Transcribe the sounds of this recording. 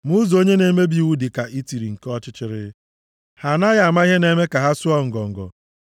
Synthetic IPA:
mu˦zo˦ɲe˦ne˨˦me˦bi˨i˨wu˦dɪ˨ka˨ʔi˦ti˨ɾi˨ŋ̩˨kɔ˦t͡ʃɪ˦t͡ʃɪ˦ɾɪ̰˦ | ha˨na˦ja˨a˨ma˦i˦ɦe˦ne˦me˦ka˨ɦa˦su˦ɔ˦ŋ̩˨ɡɔ˨ŋ̩˨ɡɔ̰˨

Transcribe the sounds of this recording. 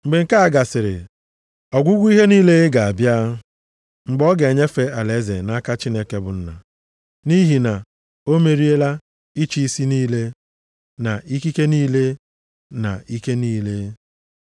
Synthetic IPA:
ŋ͡m̩˨ɡ͡be˨ŋ̩˨ka˦a˨ɡa˨sɪ˨ɾɪ̰˨ | ɔ˨ɡʷu˦ɡʷu˦i˦ɦe˦niː˦le˦ɡa˨a˨bja˦ | ŋ͡m̩˨ɡ͡bɔ˦ɡe˨ɲe˦fe˦a˨le˨˦zḛ˨na˦ka˦t͡ʃi˦ne˦ke˦bʊ̰˨n̩˦na̰˨ | ni˦ɦi˨na˨ | o˦me˨ɾi˦e˦la˦ | i˦t͡ʃi˦i˦si˦niː˦le˦ | na˨ʔi˦ki˦ke˦niː˦le˦ | na̰˨i˦ke˦niː˦le˦

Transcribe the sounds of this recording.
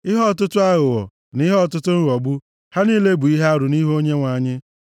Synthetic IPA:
ɪ˦ɦɔ˦˨tʊ˦tʊ˦a˦ɣʊ˨wɔ̰˨ | ni˦ɦɔ˦˨tʊ˦tʊ˦n̩˦˨ɔ˨ɡ͡bu˦ | ha˦niː˦le˦bu˨i˦ɦa˦a˦ɾʊ˨ni˦ɦo˦ɲe˦ŋʷa˨ɲɪ˦

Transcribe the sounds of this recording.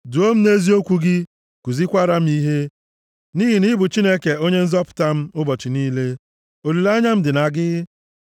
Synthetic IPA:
dʊ˨o˦m̩˦ne˦zi˦o˦kʷu˦ɡɪ˦ | ku˨zi˦kʷa˦ɾa˦m̩˦i˦ɦe˦ | ni˦ɦi˨ni˦bʊ˨t͡ʃi˦ne˦ke˨o˦ɲe˦n̩˦zɔ˦pʊ̥˨ta˦m̩˦ʊ˦bɔ˨t͡ʃɪ˨niː˦le˦ | o˨li˨la˦ɲa˦m̩˦dɪ˨na˨ɡɪ˦

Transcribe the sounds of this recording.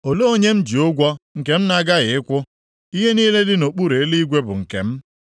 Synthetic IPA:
o˨lo˦o˦ɲe˦m̩˦d͡ʒi˨ʊ˦ɡʷɔ˦ŋ̩˨ke˨m̩˦na˦ɡa˦ɣɪ˨ɪ˦kʷʊ˦ | i˦ɦe˦niː˦le˦dɪ˦no˨k͡pu˦ɾe˨e˦li˦ɡʷe˦bʊ̰˨ŋ̩˨kḛ˨m̩˦

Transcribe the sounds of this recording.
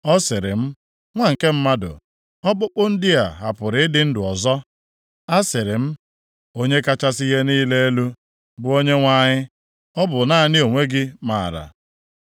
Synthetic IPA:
ɔ˦sɪ˨ɾɪ˨m̩˦ | ŋʷa˦ŋ̩˨ke˦m̩˦ma˦dʊ̰˨ | ɔ˦k͡pʊ˦k͡pʊ˦n̩˦dɪ˦a˨ɦa˨pʊ˨ɾɪ˨˦ɪ˦dɪ˦n̩˦dʊ˨ɔ˨zɔ˦ | a˦sɪ˨ɾɪ˨m̩˦ | o˦ɲe˦ka˦t͡ʃa˦sɪ˦ɣe˦niː˦le˦e˦lu˦ | bʊ˦˨o˦ɲe˦ŋʷa˨ɲɪ˦ | ɔ˦bʊ˨na˦˨nɪ˦o˨ŋʷe˦ɡɪ˦maː˨ɾa̰˨

